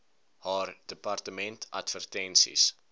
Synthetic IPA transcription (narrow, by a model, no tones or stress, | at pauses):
hɑːrdəpɐrtəmɛntʰɐ̰tvərtɛnsḭs